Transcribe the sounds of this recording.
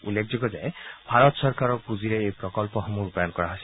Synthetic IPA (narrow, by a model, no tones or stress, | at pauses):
ṵlːek̚ʰzɔɡɔzajbʱaɹɔt̪sɔɹkaɹɔpuziɾeejpɹɔkɔlpɔxɔmuɹupajɔnkɔɹaɦasil